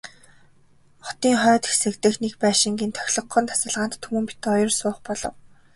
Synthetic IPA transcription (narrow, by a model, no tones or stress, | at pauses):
χɔ̥t̪iːŋχœːt̪xesɘ̆kt̪ɘ̆xnekpæːʃɪ̆ŋɡʲiːnt̪ʰœ̥xʲɮɞ̆qːɞ̆nt̪ʰḁsə̆ɮʁaːnt̪ʰːumɘ̆mpi̥t̪ɔjɞ̆rsʊːχpɔɮɞ̆w